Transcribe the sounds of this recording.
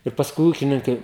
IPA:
ɪr pɐsˈkʊɪ ˈuːkʲɪnʲɪŋkɐɪ

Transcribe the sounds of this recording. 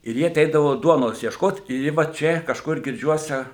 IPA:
ɪr ˈjɪ ɐˈtʲɛɪdɐʋoː ˈduɔnoːs iɛʃˈkoːt ɪr ˈjɪ ʋɐ ˈt͡ʃʲɛ kɐʃˈkʊr ɡʲɪrʲˈd͡ʒʲuɔsʲɛ

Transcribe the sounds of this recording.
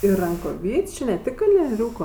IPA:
ɪr rɐŋkoːˈʋʲiːt͡ʃʲʊ nʲɛ ˈtʲɪk kɐlʲnʲiɛˈrʲuːkoː

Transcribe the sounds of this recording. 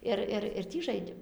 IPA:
ˈɪr ɪr ɪr ˈtʲiː ˈʒɐɪdʲeːm

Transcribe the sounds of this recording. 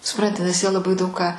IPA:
sʊˈprɐnʲtʲɪ nʲɛs jiɛ lˠɐˈbɐɪ ˈdɐʊk kɑː

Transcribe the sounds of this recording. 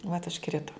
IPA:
ʋɐt ʊʃˈkrʲɪtoː

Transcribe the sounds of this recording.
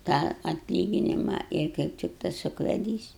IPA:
tɑː ɐtʲˈlʲiːɡʲɪnʲɪmɐ ɪr kɐɪp ˈtʲɪk tɐs ʊkʋʲɛˈdʲiːs

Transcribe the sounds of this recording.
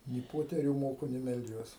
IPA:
nʲɪ ˈpoːtʲɛrʲuː ˈmoːkʊ nʲɪ mʲɛlʲˈd͡ʒʲuɔs

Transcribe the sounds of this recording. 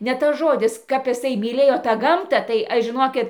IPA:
nʲɛ tɐs ˈʒoːdʲɪs kɐp ɪˈsɐɪ mʲiːˈlʲeːjoː tɑː ˈɡɐmtɑː tɐɪ ˈɐʃ ʒʲɪˈnoːkʲɪt

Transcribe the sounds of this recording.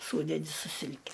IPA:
ˈsuːdʲɛdʲɪ sʊ ˈsʲɪlʲkʲɛ

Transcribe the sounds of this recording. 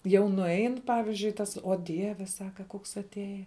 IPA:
ˈjɛʊ nʊˈɛɪn ˈpɑːʋʲɪzʲd͡ʒʲʊɪ ˈtɐs oː ˈdʲiɛʋʲɛ ˈsɑːkɐ ˈkoːks ɐtʲˈeːjɛ

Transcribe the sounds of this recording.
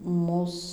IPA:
ˈmuːs

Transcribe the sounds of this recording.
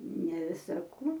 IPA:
nʲɛ ˈʋʲɪsɐ ˈkuː

